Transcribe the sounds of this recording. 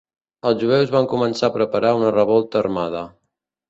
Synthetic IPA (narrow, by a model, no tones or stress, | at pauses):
əlˠzʒuɛwzβaŋkumənsapɾəpəɾaunərəβɔlˠt̪əːrmað̞ə